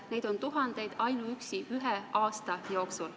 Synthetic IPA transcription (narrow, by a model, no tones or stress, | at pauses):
ne̞jd̪̥o̞nt̪uɦɑnd̪̥e̞jd̪̥ɑjnuyksiʔyɦeʔɑːst̪ɑjo̞ːksul